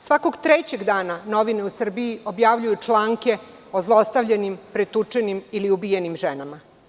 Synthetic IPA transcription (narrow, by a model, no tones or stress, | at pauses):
sʋako̞ɡt̪ɾet͡ɕeɡd̪aːnano̞ʋine̞usr̩biio̞bjaʋʎujut͡ʂlaːŋke̞ | ozlˠost̪aʋʎenimpɾet̪ut͡ʂenimiliubijenimʒenama